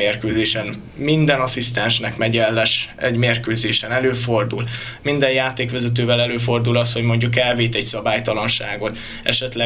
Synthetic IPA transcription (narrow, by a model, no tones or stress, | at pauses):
eːrkøːzeːʃɛn | mind̪ɛnɒsist̪ɛnʃnɛkmɛɟɛlːɛʃɛ̰ɟmeːrkøːzeːʃɛnɛløːfo̞rd̪ul | mind̪ɛjjaːt̪eːkʋɛzɛt̪̬øːvɛlɛløːfo̞rd̪ulɒsho̞ɟmo̞ɲɟukɛlveːt̪ɛcsɒbaːjt̪ɒlɒnʃa̰ːɡo̞t̪ | ɛ̰ʃɛt̪lɛ